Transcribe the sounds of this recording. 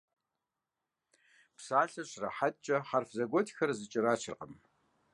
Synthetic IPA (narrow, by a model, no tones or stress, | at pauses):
psaːɬɐɕʼrɐħatʼt͡ʃʼɐχarfzɐɡʷɔtʰxɐrzɨt͡ʃʼɪraːt͡ʃʰɨrqəm